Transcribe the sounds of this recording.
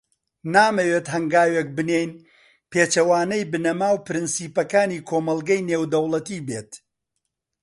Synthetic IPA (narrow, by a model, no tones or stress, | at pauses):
naːmɐweːt̪ɦɐŋɡaːwek̚bɨnejn | peːt͡ʃɐwaːnɐjbɨnɐmaːwpɨɾɨnsiːpɐkaːniːkʰoːmɐlˠɡɐjneːwd̪ɐwlˠɐt̪iːbḛːt̪